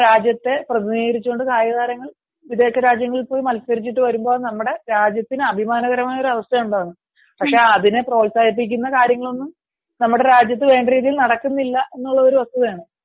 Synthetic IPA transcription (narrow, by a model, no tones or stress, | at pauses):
ɾaːd͡ʑjɐt̪ːe̞prɐðiniːɣɐɾit͡ɕːuoɳɖɨkaːjɐɣaːɾɐŋːɐɭ | ʋid̪e̞ːkːɐɾaːd͡ʑjɐŋːɐɭipo̞ːjmɐlsɐɾit͡ɕːiʈːɨʋɐɾumbo̞ːɭnɐmːuɽe̞ɾaːd͡ʑjɐt̪ːinɨɐbʱimaːnɐɣɐɾɐmaːjɐo̞ɾuɐʋɐst̪ɐjuɳɖaːɣnːɨ | pɐkʂeːɐðinɨpro̞ːlsaːd̪ip̬ːikʲːunːɐkaːɾjɐŋːɐɭo̞nːum | nɐmːuɽe̞ɾaːd͡ʑjɐt̪ːɨʋe̞ːɳɖriːðijilnɐɽɐkːunːilːɐʔe̞nːuɭːɐðo̞ɾuʋɐst̪uðɐaːɳɨ